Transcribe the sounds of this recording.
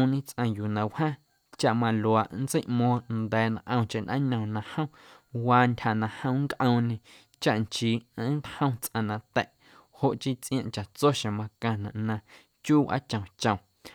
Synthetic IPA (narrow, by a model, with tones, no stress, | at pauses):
ɲĩ˦t͡sʔã˧juː˨nã˨whãː˦ | t͡ʃa˦ʔmã˧lo˨a˨ʔn˦t͡se˦jʔmɔ̃ː˧nd̪ɛː˨nã˨ʔə̃˧w̃t͡ʃe˧˨nʔã̰˦ɲə̃˨nã˧hə̃˦ | waː˧ntʲʰha˨nã˧hə̃˦w̃ŋkʔə̃˧wɲẽ˧ | t͡ʃa˦ʔnt͡ʃiː˨ə̃˦n˦t̪hə̃˦w̃t͡sʔã˧nã˧t̪ɛ˦˨ʔ | ho˧ʔt͡ʃi˦t͡sʔj̃ã˧ʔt͡ʃa˨ʔt͡so˦ʃã˨mã˧kã˧nã˨ʔnã˧ | t͡ʃuː˦wʔa̰˦t͡ʃə̃˨t͡ʃə̃˨